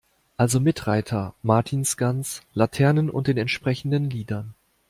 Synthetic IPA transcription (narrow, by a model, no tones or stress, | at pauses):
ʔalzomɪtʁaɪtʰɐmaɐtʰiːnsɡ̥ant͡slatʰɛɐnənʔʊ̰ntd̥eːnɛntʃpʁ̥ɛçn̩dənliːdɐn